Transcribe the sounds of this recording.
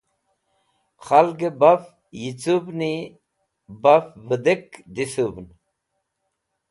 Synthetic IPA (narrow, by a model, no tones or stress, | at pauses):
xɐlɡebɐf | jit͡subni | bɐfvəd̪ekd̪isubn